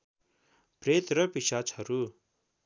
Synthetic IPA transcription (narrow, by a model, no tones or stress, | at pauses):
pɾeːt̪ɾɐpiʃaːt͡ʃʰɐɾu